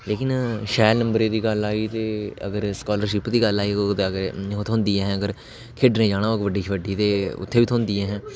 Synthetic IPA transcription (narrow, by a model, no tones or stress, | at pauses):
leːkɪnʃɛːlnəmbəɾeːd̪iːɡəlaːiːt̪eːə̰ɡəɾskaːləɾʃɪpd̪iːɡəlaːiːɡəɾot̪ʰoːnd̪iːɛːɦɛ̃ːəɡəɾ | kʰɪɖnẽːd͡ʒaːɽaːokʋəɖiːt͡ʃʋəɖːiːt̪eːʊ̰t̪ʰːeːʋiːt̪ʰoːnd̪iːɛːɦɛ̃ː